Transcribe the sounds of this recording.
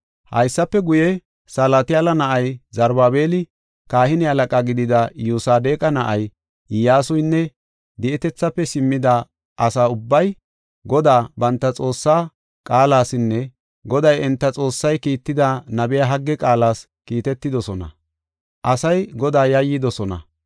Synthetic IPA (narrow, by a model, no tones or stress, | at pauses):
hɐ̰jsːɐpːɛɡʊjɛ | saːlaːt̪ɪɐlɐnɐʔɐjzɐɾbaːbe̞ːlɪ | kaːhɪnɪɐlɐkʼaːɡɪd̪ɪd̪ɐjusaːd̪e̞ːkʼɐnɐʔɐj | jaːsʊjnːɛ | d̪ɛʔɛt̪ɛt͡sːɐpːɛsɪmːɪd̪ɐ | ɐsaːʊbːɐj | ɡɔd̪aːbɐnt̪ːɐt͡sʼo̞ːsːaː | kʼaːlaːsɪnːɛ | ɡɔd̪ɐjɛnt̪ːɐt͡sʼo̞ːsːɐjkiːt̪ːɪd̪ɐnɐbɪjaɦɐɡːɛkʼaːlaːs | kiːt̪ɛt̪ːɪd̪ɔsɔnɐ̰ | ʔɐsɐjɡɔd̪aːjɐjːɪd̪ɔsɔnɐ̰